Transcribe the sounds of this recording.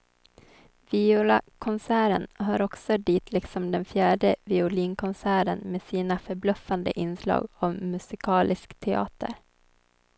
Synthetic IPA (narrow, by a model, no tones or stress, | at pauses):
vɪula̰kʰɔnsæːɾə̰nɦœaːɾɔksɔd̪iːt̪ʰlɪksɔmd̪ɛnfjæːɖəvɪʊliːnkʰɔnsæːɾənmeːsiːnafœɾblœfːand̪ə̰ʔɪnslɑ̰ːɡɔmːɵsɪkʰɑːlʔɪskt̪ʰɛɑ̰ːt̪ə̰ɾ